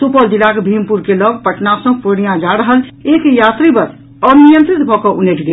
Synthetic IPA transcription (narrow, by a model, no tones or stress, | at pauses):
supəld͡ʒilakbʱimpuɾkeləbpəʈnasə̃pəɽ̃ijãd͡ʒaɾəɦəlekjat̪ɾibəɾ | ənijənt̪ɾit̪bʱɔkɔʔuneʈʰɡe